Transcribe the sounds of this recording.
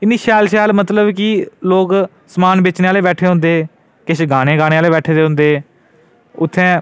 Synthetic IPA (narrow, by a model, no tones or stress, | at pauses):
ɪnːiːʃaːlʃɛːlmət̪ləbkɪloːk | səmaːnbeːt͡ʃneːaːleːbɛːʈʰeːɦʊ̃nd̪eː | kɪʃʰɡaːɽ̃ẽːɡaːɽ̃eːaːleːbɛːʈʰeːd̪eːɦʊ̃nd̪eː | ʊt̪ʰːɛ̃ː